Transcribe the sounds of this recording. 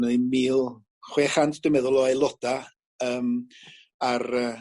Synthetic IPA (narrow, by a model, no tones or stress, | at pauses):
nəðimiːlˠ | χweːχantʰd̥əmɛðʊlˠɔajlˠɔd̥a | əːm | arəː